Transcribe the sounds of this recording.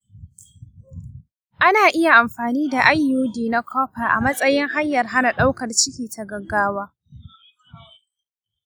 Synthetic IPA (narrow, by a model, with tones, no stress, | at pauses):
ʔa˦naː˨ʔɪ˦ja˨ʔa˨mɸaː˨niː˦da˨ʔa˦jːoː˦diː˨na˦kʰɔː˦ɸaː˨ʔa̰˨mɐ˦sʼɐ˦jɪ˦ŋɦa˦ɲjːɐ˨rɦa˦na˨ɗa˦wkɐ˨rt͡ʃɪ˦kʲiː˨tʰa˨ɡɐ˨ɡːaː˦waː˦